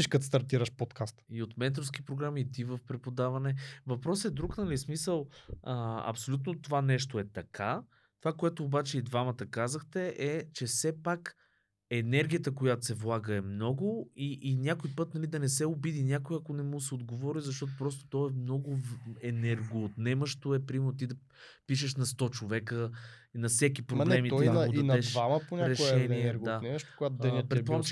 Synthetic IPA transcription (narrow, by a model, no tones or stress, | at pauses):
iʃkət̪st̪ɐɾt̪iɾəʃpot̪kast̪iot̪mɛt̪ɾofsk̟ʲipɾoɡɾamiːt̪ivəfpɾɛpod̪avɐnɛvɐpɾɔsɛd̪ɾuknɐlismisəlˠəɐ̰psolʲut̪not̪ovanɛʃt̪oɛt̪ɐkʰa | t̪ovakoɛt̪ʊːbat͡ʃɛid̪vamɐt̪əkazəxt̪ɛʔɛt͡ʃɛsɛpak | ɛnɛɾɡʲijət̪əkojat̪osɛvlˠaɡəɛmnɔɡʊiʔːnʲakʊjpɤt̪nɐlid̪ɐnɛsɛʊbid̪inʲjakʊjɐkonɛmusɛod̪ɡovɔɾizɐʃ̬t̪ɔt̪̬opɾɔst̪o̥t̪ɔɛmnɔɡʊɛnɛɾɡoːt̪nɛməʃt̪oɛpɾimt̪id̪ɐ | piʃ̬əʃnɐst̪ɔt͡ʃovɛkə | inɐfsɛk̬ipɾoblɛmit̪iɐnɛd̪ʃvaməponʲaɾɛʃɛniɛɡd̪anɛmʃpkɡat̪d̪ɛnpɾɛbpɔm